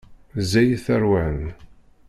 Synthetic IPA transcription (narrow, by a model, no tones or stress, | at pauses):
zæjθæɾwæn